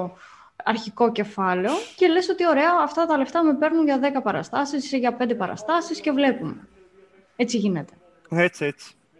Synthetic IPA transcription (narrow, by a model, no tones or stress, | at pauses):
ɐɾçiko̞ce̞fɐle̞o̞ce̞leso̞t̪io̞ɾe̞ɐːft̪ɐt̪ɐle̞ft̪ɐme̞pe̞ɾnunʝɐðe̞kɐpɐɾɐ̰st̪ɐsisʝɐpe̞nd̪epɐɾɐ̰st̪ɐsisce̞vle̞pume̞ | e̞t͡siʝine̞t̪e̞̥ | et͡siet͡si̥